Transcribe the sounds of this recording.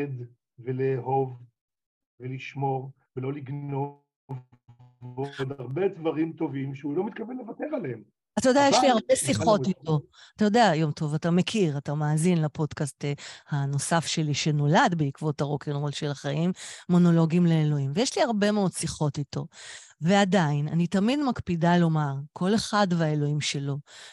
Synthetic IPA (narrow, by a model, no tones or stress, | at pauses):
ed̪ | veleːɦo̞v | veliʃmo̞ʁ | velo̞liɡno | v | od̪aʁbedvaʁimt̪o̞vimʃeulo̞mit̪̚kavenlevatevaleem | at̪ajodejajeʃlihaʁbesiχo̞tito̞ | atajo̞deajo̞mtʰo̞vatamekʰiʁatamaːzinlapo̞dkastehano̞safʃe̞liʃe̞no̞ladbeikvo̞taʁo̞kenʁo̞lʃe̞laχaʔimːo̞no̞lo̞ɡimleːlo̞imvejeʃliaʁbe̞meo̞dsiχo̞tito̞̰ve̞adainanitamidmakpidalo̞maʁkʰo̞le̞χadveaelo̞imʃe̞lo̞